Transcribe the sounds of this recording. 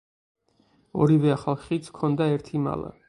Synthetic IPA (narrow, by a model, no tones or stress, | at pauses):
ɔɾivɛaχalˠχit̪sʰkʰɔnd̪aɛɾt̪ʰima̰lˠa̰